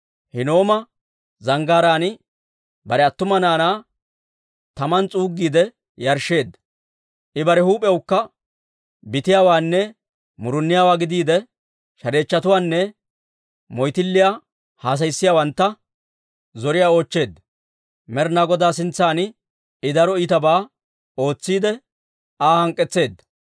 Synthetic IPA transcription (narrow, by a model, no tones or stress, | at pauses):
hɪno̞ːmɐ | zɐŋɡaːɾaːnɪ | bɐɾɛɐt̪ːʊmɐnaːnaː | t̪ɐmɐnt͡sʼuːɡːiːd̪ɛ | jɐɾʃːe̞ːd̪ːɐ̥ | ʔɪbɐɾɛhuːpʼɛwʊkːɐ | bɪt̪ɪjaːwaːnːɛ | mʊɾʊnːɪjaːwaːɡɪd̪iːd̪ɛ | ʃɐɾe̞ːt͡ʃːɐt̪ʊwaːnːɛ | mɔjt̪ɪlːɪjaː | haːs̬ɐjsːɪjaːwɐnt̪ːɐ | zɔɾɪjaːo̞ːt͡ʃːe̞ːd̪ːɐ | mɛɾnaːɡɔd̪aːsɪnt͡sːaːn | ɪd̪ɐɾɔɪt̪ɐbaː | o̞ːt͡sːiːd̪ɛ | aːhɐŋkʼːɛt͡sːe̞ːd̪ːɐ̥